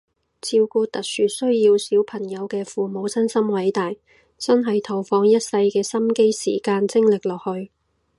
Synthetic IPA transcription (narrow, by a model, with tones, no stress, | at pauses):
t͡sʰiː˧wkuː˧t̪ɐ˨k̚syː˨t̚sɵ˥ɥjiː˧wsiː˨˥wpʰɐ˨˩ŋjɐ˨˧wkɛː˧fuː˨mo˨˧wsɐ˥nsɐ˥mwɐ˨˥jt̪aː˨j | t͡sɐ˥nɦɐ˨jt̪ʰɐ˨˩wfɔː˨˧ŋjɐ˥t̚sɐ˧jkɛː˧sɐ˥mke˥jsḭː˨˩kaː˧nt͡sɪ˥ŋlɪ˨k̚lɔː˨k̚hɵ˧ɥ